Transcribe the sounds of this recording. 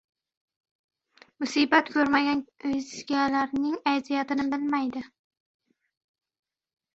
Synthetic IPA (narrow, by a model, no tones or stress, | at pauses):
mʊsibat̪kʰʲɵɾmaɡʲanɵjzɡʲalaɾnɪŋajzijat̪ɪnɪbɪlmajd̪ɪ